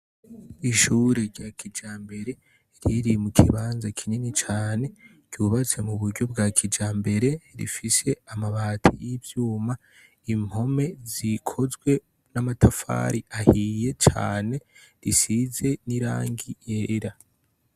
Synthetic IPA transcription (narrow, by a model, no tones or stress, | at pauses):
iʃuɾeɾɟakʰid͡ʒaːmbe̞ɾe̞ | ɾiɾimukʰḭβaːnzakʰiɲinit͡ʃaːne̞ | ɟ̥uβat͡se̞muβuɾɟo̞bɡaːkʰid͡ʒaːmbe̞ɾe̞ɾḭfise̞amaβaːtʰḛjivjuːma | imho̞me̞zikʰo̞zɡwe̞ | namatʰafa̰ːɾiʔahije̞t͡ʃa̰ːne̞ɾisize̞niɾa̰ːŋɡijeɾa